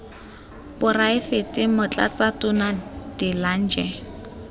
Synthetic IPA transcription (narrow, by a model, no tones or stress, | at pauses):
pʊraɪfetʼɪmʊt͡ɬʼa̰t͡satʼʊnad̥ɪlan̩d͡ʒɛ